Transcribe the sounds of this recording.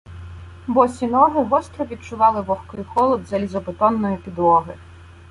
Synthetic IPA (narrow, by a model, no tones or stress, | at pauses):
bɔsʲinɔɦɪɦɔst̪ɾɔʋʲid̪̚t͡ʃʊʋɑlˠɪʋɔxkɪjxɔlˠɔd̪zɐlʲizɔpɪt̪ɔnːɔjʊpʲid̪wɔɦɪ